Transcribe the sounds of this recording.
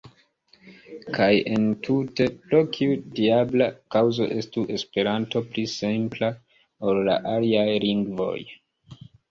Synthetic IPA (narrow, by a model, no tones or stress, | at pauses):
kʰaje̞ntʰute̞pɾo̞kʰiudiablakawzo̞̰ʔe̞stuʔe̞spe̞ɾanto̞plisimpla | olla̰ʔaliajliŋɡvo̞̰j